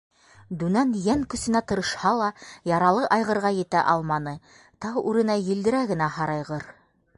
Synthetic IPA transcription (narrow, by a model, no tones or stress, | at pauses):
d̪ʉnænjæŋkɵ̆sɘ̆næt̪ɤ̆ɾɤ̆ʃhɑlˠɑjɑɾɑlˠɤʔɑjʁɤ̆ɾʁɑjɘ̆t̪æ̰ʔɑlˠmɑnɤ | t̪ɑwʉɾɘ̆næjɘ̆ld̪ɘ̆ɾæɡɘ̆næhɑɾɑjʁɤɾ